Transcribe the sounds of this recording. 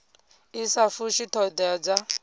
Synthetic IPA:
isafuʃitʰɔdɛd͡za

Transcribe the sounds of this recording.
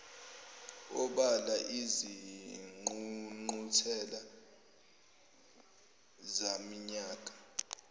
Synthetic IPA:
ɔɓalaʔiziŋ͡ǃuŋ͡ǃutʰɛla | zamiɲaːkʼḁ

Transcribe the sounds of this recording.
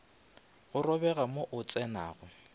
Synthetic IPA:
ɣʊrɔbɛɣamoʔʊt͡sʼɛna̰ːɣʊ

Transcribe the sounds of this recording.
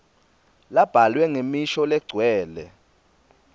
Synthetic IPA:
lab̥ʱalwɛŋemiʃɔlɛɡ͡ǀʱwɛːlɛ̰

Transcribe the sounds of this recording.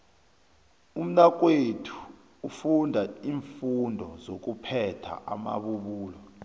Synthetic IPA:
um̩nak̬ʼwetʰu̥ː | fundʱaiːɱfundʱɔzok̬upʰɛtʰa̰ʔama̰ɓuɓuːlɔ

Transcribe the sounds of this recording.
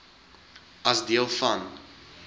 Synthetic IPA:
ɐsdiəlˠfɐn

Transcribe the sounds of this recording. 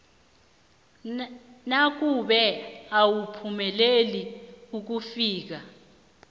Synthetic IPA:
nak̬ʼuɓɛawupʰumɛleliuk̬ufiːk̬a

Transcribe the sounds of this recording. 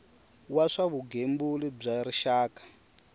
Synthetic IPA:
waʂaβuɡembulib͡ʐaɾiʃaːkḁ

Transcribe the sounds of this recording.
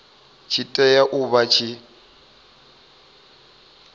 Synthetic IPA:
t͡ʃʰitʼɛjaʔʊβat͡ʃʰi

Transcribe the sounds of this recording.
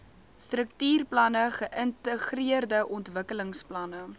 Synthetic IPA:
strək̚tyːrplɐnəχəʔəntəχriərdəʔɔntvəkələŋsplɐnə

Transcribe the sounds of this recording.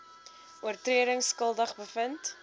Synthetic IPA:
ʔuərtriəɾəŋskəlˠdəχbəfənt

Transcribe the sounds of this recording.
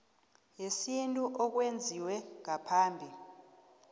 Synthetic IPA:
jesintʼuʔɔk̬wend͡zʱiwɛŋapʰaːmbʱi

